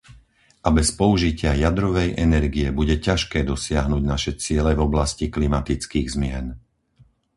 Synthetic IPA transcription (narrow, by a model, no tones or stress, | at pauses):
ʔabɛspɔuʒicɪajad̪ɾɔʋɛjʔɛnɛɾɡijɛbuɟɛcaʃkɛːd̪ɔsɪaɦnuːɟnaʃɛt͡sɪɛlɛvɔblasciklimat̪it͡skiːɣzmɪɛn